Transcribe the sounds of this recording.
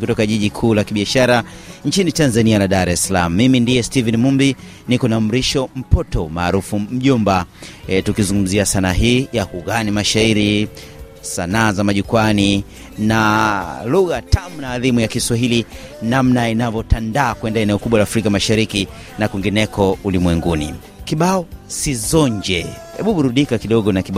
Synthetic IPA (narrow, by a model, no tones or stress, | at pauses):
kutɔkaʄiʄikʰuːlakiɓiaʃaɾa | ɲt͡ʃinitanzanialaɗaɾɛsalam̩ːimindiɛstivɛnimumbi | nikɔnam̩ɾiʃɔm̩pɔtɔma̰ːɾufum̩ʄumbatukizuŋɡum̩ziasanaɦiːjakuɣanimaʃaiɾi | sanaːzamaʄukwani | naluɣatʰamunaːðimujakiswaɦili | namnainavɔtandaːkwɛndaɛnɛɔkuɓwalaːfɾikamaʃaɾiki | nakwiŋɡinɛkʰɔulimwɛŋɡunḭ | kiɓaɔsizɔɲd͡ʒɛ | hɛɓuɓuɾuɗikakiɗɔɠɔnakiɓ